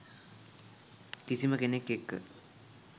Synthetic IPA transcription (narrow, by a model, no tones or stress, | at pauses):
kisiməkenekːekːə̰